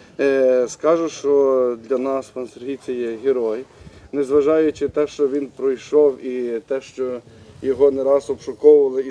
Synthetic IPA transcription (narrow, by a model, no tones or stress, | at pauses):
skɑʒʊʃt͡ʃɔd̪lʲɐnɑspɐnseɾɦit͡sʲɐjɛɦʲeɾɔjnezʋɐʒɑjʊt͡ʃɪt̪ɛʃt͡ʃɔʋʲinpɾɔjʃɔwit̪ɛʃt͡ʃɔjɔɦɔnɛɾɑzɔpʃɔkɔwʊʋɐlˠɪi